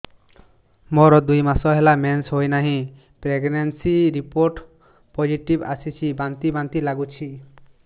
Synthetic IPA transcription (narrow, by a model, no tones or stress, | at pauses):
mɔɾɔd̪ujmasɔɦelamensɦojnaɦĩ | pɾeɡnansiɾipoɾʈ | pod͡ʒiʈiba̰sit͡ʃʰibant̪ibant̪ilaɡut͡ʃʰi